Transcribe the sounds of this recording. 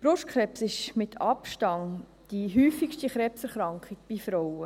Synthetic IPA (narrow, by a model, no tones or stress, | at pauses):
b̥ɾʊʃtkχɾɛpsɪʃmɪt̪ʰɑpʃtɑŋ | d̥iɦyːfikʃtiχɾɛpsɛɾχɾɑŋkχiɡ̥̚b̥ifɾowə